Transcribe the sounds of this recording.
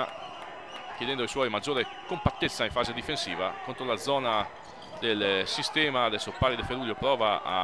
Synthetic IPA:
kjed̪ɛnd̪oiswɔjmad͡ʒːoːɾekompat̪ːet̪sːaĩɱfaːzed̪ifensḭːva̰kont̪ɾolad̪zɔːna | d̪elsist̪ɛːmad̪elsopaːɾid̪efeɾuːljopɾɔːvaa̰

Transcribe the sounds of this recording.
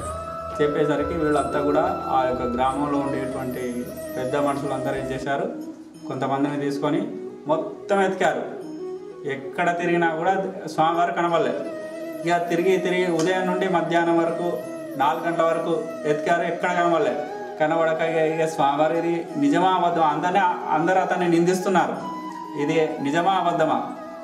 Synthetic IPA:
t͡ʃepːɛːs̬aːɾɐkiʋiːɭːuɐnt̪aːkuːɽaːaːjɔkːɐɡɾaːmɐmlo̞ːuɳɖijɐʈuʋɐɳʈi | pɛd̪ːɐmɐnɐsuluɐnt̪ɐɾeɲt͡ʃɛːsaːɾu | ko̞nt̪ɐmɐnd̪init̪iːsu̥konimɔt̪ːɐmet̪i̥kjaːɾu | ɛkːɐɽɐt̪iɾiɡinaːkuːɽaːsʋaːmɡaːɾukɐnɐbɐɭːeː | iɡɐt̪iɾiɡit̪iɾiɡiud̪ɐjɐmnuɳɖimɐd̪ʱjaːnɐmʋɐɾɐku | naːlɡɐɳʈlɐʋɐɾɐku | et̪i̥kjaːɾuɛkːɐɽɐkɐnɐbɐlːe | kɐnɐʋɐɽɐkɐiɡeiɡɐsʋaːmɡɐːɾuid̪inid͡ʒɐmɐʋɐd̪ʱːɐmɐɐnd̪ɐnːeɐ̰nd̪ɐɾɐt̪ɐnːenind̪ist̪unːaːɾu | id̪inid͡ʒɐmaːʋɐd̪ʱːɐmɐ̰

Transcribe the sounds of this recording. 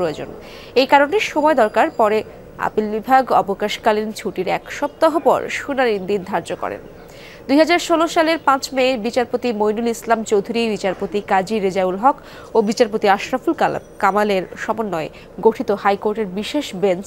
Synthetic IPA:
ɾoed͡ʑo̰n | ejkaɾoneʃomɔed̪ɔɾkaɾpɔɾe | a̰pilbibʱaɡɔbokaʃkalint͡ɕʰuʈiɾɛkʃɔp̚t̪aɦopɔ̰ɾʃunanid̪ind̪ʱaɾd͡ʑokɔ̰ɾḛn | d̪ujɦad͡ʑaɾʃoloʃaleɾpãt͡ɕmebit͡ɕaɾpot̪imojnulislamt͡ɕowd̪ʱuɾibit͡ɕaɾpot̪ikad͡ʑiɾed͡ʑaulɦɔk | obit͡ɕaɾpot̪iaʃɾafulka̰l̰kamaleɾʃɔmonːɔe | ɡoʈʰit̪ohajkoɾʈeɾbiʃeʃbent͡ɕ

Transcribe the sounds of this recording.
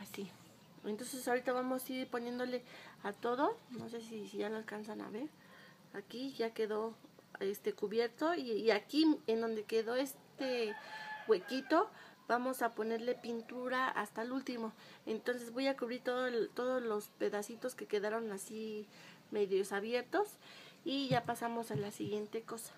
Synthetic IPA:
asi | ent̪o̞nsesaoɾit̪aβamosiɾponje̞nd̪o̞leat̪o̞ðono̞s̬e̞sisiʝaloalkansana̰βe̞ɾ | akiʝakeðoest̪ekuβje̞ɾt̪oiakiend̪o̞nd̪ekeðoest̪e | ɣwekit̪ob̥amo̞sapone̞ɾle̞pint̪uɾaa̰st̪alult̪imoent̪o̞nsezβojakuβɾiɾt̪oðot̪oðolospe̞ðasit̪oskekeðaɾonasi | meðjosaβje̞ɾt̪osiʝapasamo̞salasiɣje̞nt̪e̞ko̞sḁ

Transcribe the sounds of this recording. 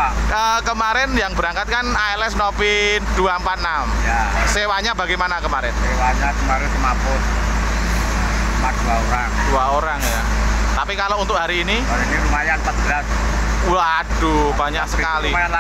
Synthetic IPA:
əːkəmaɾɛnjaŋbəɾaŋkat̪̚kanaɛlɛsnopiduampat̪̚namjasewaɲabaɡajmanakəmaɾɛnsewaɲakəmaɾɛnsəmapʊt̪ | mpat̪̚duaoɾaŋd̥uaoɾaŋjat̪apikalount̪ʊk̚ɦaɾiːniaɾiniɾumajampat̪̚bəladuuadubaɲaksəkali

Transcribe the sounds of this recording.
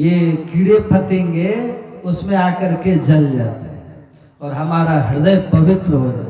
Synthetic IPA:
jekiɽepʰɐt̪ẽːŋɡeʊsmẽakəɾked͡ʒɐld͡ʒa̰t̪eɦɛ̃ | ɔːɾɦɐmaːɾaɦɐɽd̪əjpəʋɪt̪ɾəɦod͡ʒa̰t̪

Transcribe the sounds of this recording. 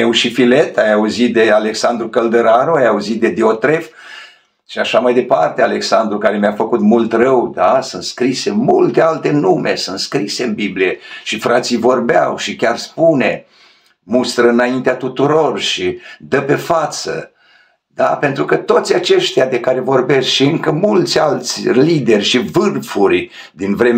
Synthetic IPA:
ewʃifile̞t̪ajauzit̪̚d̪e̞ale̞ksand̪ɾukəld̪əɾanoajauzit̪̚d̪e̞d̪iot̪ɾe̞f | ʃiaʃamajd̪e̞part̪eale̞ksand̪ɾukaɾe̞mjafəkut̪mult̪rəwd̪asɨnt̪skɾise̞mult̪ealt̪e̞nume̞sɨnt̪skɾise̞ɨnbiblijeʃifɾat̪sijvo̞rbea̰wʃikʲarspune | must̪ɾəɨnaint̪eat̪ut̪uɾo̞rʃid̪əpe̞fat̪sə̰ | d̪ape̞nt̪ɾukət̪o̞t̪sʲat͡ʃe̞ʃt̪ead̪e̞kaɾe̞vo̞rbe̞skʃiɨŋkəmult̪sʲalt̪sʲlid̪e̞rʲʃivɨrfurʲ | d̪invɾe̞

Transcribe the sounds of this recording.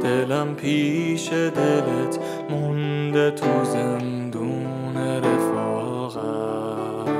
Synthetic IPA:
d̪̥elæmpʰiːʃed̪elet̪ʰ | mund̪et̪ʰuzend̪u | neɾefɔː | ɣæ

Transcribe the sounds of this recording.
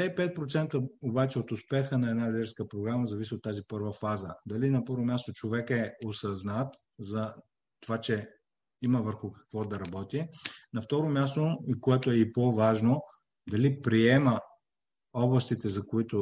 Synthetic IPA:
ɛipɛt̪̚pɾot̪sɛnt̪əobat͡ʃɛot̪ʊspɛxənɐɛd̪nalɛd̪ɛɾskəpɾoɡɾaməzɐvisiot̪ːazipɤɾvəfazəd̪ɐlinɐpəɾvomʲjast̪ot͡ʃovɛkɛosɐznat̪zɐ | t̪ovat͡ʃɛ | iməvəɾxʊkɐ̥kvɔd̪ɐɾɐbɔt̪inɐft̪ɔɾomʲjast̪oikoɛt̪oɛipovaʒno | d̪ɐlipɾiɛmə | ɔblˠɐst̪it̪ɛzɐkoit̪o

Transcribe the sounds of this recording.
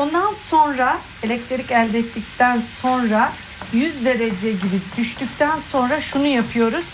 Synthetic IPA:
o̞nd̪anso̞nɾa | elʲɛc̚t̪ʰɾeɾʲicælʲd̪ɛt̪ʰːic̚t̪ʰænso̞nɾa | jyzd̪e̞ɾed͡ʒɛɟibid̪̥yʃt̪yc̚t̪ʰænso̞nɾaʃunujapʰɯjo̞ɾuz̥

